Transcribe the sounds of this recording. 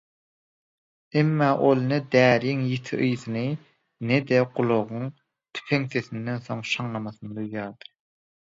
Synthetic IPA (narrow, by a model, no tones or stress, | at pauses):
emːɑːʔolˠnɛd̪æːɾijiŋjet̪ʰiʔɯjθɨnɨ | nɛd̪ɛqʊlˠoʁʊŋ | t̪ʰy̥pʰeŋseθind̪ɛnsoŋʃɑŋlˠɑmɑθɨnɨd̪ujjɑːd̪ɨ